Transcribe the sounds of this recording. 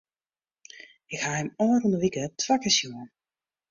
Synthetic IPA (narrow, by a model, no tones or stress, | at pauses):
ɪkhahɪmɔːrundəʋikətʰʋakəsjuən